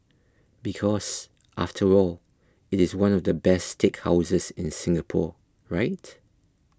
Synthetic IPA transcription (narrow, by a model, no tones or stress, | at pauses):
b̥ikʰɔs | ʔa̰ftʰəɹɔl | ɪtɪzwãnɔvdəbɛstekha̰ʊzəzɪ̃nsɪ̃ŋɡəpʰɔ̰ | ɹaɪt